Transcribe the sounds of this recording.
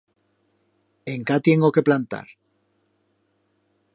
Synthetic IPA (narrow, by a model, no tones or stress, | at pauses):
e̞ŋkat̪je̞ŋɡo̞ke̞plant̪a̰ɾ